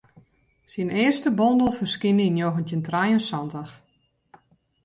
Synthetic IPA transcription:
sinɪːərstəbɔndəlˠfərskɪnəinjoɣəntjəntrajənsɔndax

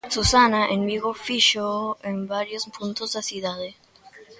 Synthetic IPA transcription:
susanaʔenbiɣofiʃoembaɾjospʰunt̪ozðesjuðaðe

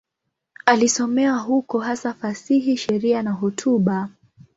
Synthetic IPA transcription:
alisɔmɛaɦukɔɦasafasiɦiʃɛɾianaɦɔtʰuɓa

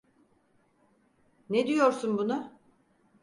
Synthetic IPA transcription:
ned̪ijoɾsunbunʊ

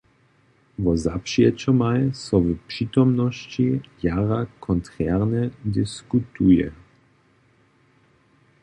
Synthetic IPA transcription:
vɔzapʃiɛt͡ʃɔmajsɔvpʂit̪ɔmnɔst͡ɕijaːʁakʰɔnt̪ʁɛʁnɛd̪ɪskut̪ujɛ̰

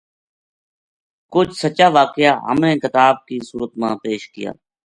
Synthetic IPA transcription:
kʊt͡ʃʰsət͡ʃaːʋaːkɪjaːɦə̰mnẽːkɪt̪aːb̚kiːsuːɾət̪mãːpeːʃkɪja̰ː

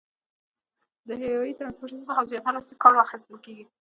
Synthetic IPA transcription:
d̪əɦewɑjit̪ɾanspoɾʈənsəxazjɑt̪aɾast̪ikɑɾaxest̪əlkeɡi

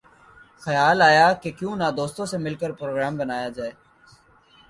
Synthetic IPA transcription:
xəjaːlaːjaːkekjũːnad̪oːst̪õsemɪlkəɾpɾoːɡɾaːmbənaːjaːd͡ʒaːeː

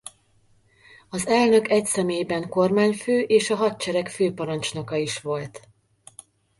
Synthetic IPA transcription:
ɒzɛlnø̞kɛcsɛmeːjbɛŋko̞rmaːɲføːʔeːʃɒɦɒt̪̚t͡ʃɛɾɛkføːpɒɾɒnt͡ʃno̞kɒiʃʋo̞lt̪

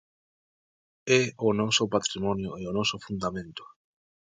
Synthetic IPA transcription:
ɛonɔsʊpat̪ɾimɔnjoeonɔsʊfũnd̪amẽnt̪ʊ̥

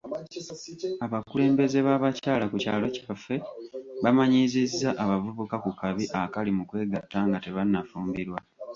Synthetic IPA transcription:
aβakule̞ːmbe̞ze̞βaβacaːlakucaːlo̞ci̥kafe̞βamaɲizizːaʔaβavuβukakukaβiʔakalimukwe̞ːɡatːaːŋɡate̞βanːafuːmbiɾwa

